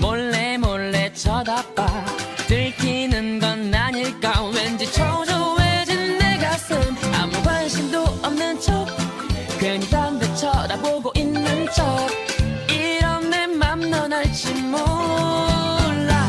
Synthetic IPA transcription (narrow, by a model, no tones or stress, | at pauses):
moɭːemoɭːet͡ɕʰʌdap͈̚atɯɭkʰinɯnɡʌnaɲiɭk͈awend͡ʑet͡ɕʰʌd͡ʑowed͡ʑinːeɡas͈ɯna̰muɡwanɕʰimdoʌmnɯnt͡ɕʰo | kweŋsʰanbet͡ɕʰʌdaboɡoʔinːɯnt͡ɕʰʌ | iɾʌmnemamnʌnaɭt͡ɕimo | ɭːa